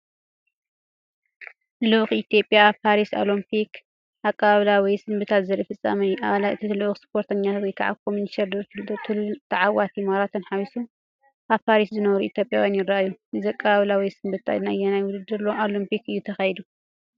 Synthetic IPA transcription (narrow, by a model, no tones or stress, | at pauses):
luʔxit̪ʰjo̞pʼjapʰaɾiso̰lompʰik | ʔakʼːaβaβlawɔjsɨmbɨt̪ʰat̪zɐɾɐfɨt͡sʼːa̰mɐjuʔailɨʔxspʰoɾt̪ʰɐɲːat̪wɔjkʰaʕa̰kʰomuniʃɐɾd̪ɨɾʰɨlt̪ʰɨlt̪ʰɐʕawat̪ʰimaɾat̪ʰɨnħaβisu | ʔaβpʰaɾiszɨnɐβɐɾuʔit̪ʰjo̞pʼjawjanjɪɾːaʔajːuʔɨziakʼːɐβaβlawɔjsɨmbɨt̪a̰najːɛnajwʊd̪ɨd̪ːɨɾloʔolompʰikɨjːut̪ʰɐxɐjɛd̪u